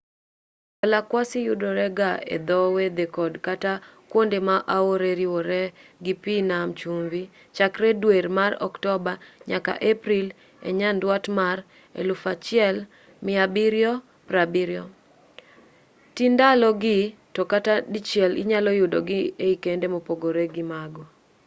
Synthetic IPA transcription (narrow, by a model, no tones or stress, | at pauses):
balakwasɪjʊdɔɾɛɡaḛd̪ɔwed̪ekɔdkatakwondemaʔaoɾeɾiwoɾɛɡipinamt͡ʃumvi | t͡ʃakɾɛdweɾmaɾɔ̰ktɔbaɲaka̰ʔepɾil | ḛɲandwatmar | ḛlʊfat͡ʃɪɛl | mɪabiɾjɔ | pɾabiɾjɔ | tindalɔɡɪtokatadit͡ʃjɛlɪ̰ɲalɔjʊdɔ̰ɡɪeikendemopoɡoɾeɡɪmaɡɔ